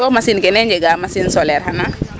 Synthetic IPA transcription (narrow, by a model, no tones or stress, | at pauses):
ɔmasinkɛnɛɲd͡ʒɛɡamasinsɔlɛɾɦana